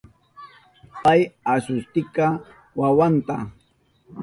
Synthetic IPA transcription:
pajasʊst̪ɪka | wawant̪a̰

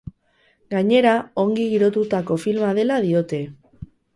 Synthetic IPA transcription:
ɡaɲe̞ɾao̞ŋɡiɣiɾo̞t̪ut̪ako̞filmaðe̞lað̞io̞t̪e̞

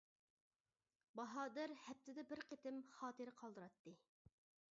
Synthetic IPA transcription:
bɑɦɑːd̪ɪɾhɛp̚t̪ʰɪd̪ɛbɪɾqʰet̪ɪmχɑːt̪ɨɾɪqʰɑlˠd̪ɨɾɑt̪ːɨ

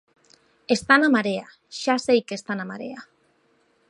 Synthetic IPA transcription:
est̪anamaɾea | ʃasejke̞st̪anamaɾḛa

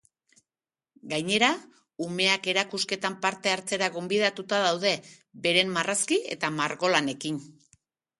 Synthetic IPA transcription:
ɡajɲe̞ɾa | ume̞ake̞ɾakuske̞t̪ampaɾt̪e̞aɾt͡se̞ɾaɣo̞mbiðat̪ut̪aðawð̞e̞ | be̞ɾe̞mːaraskie̞̰t̪amaɾɣo̞lane̞kin

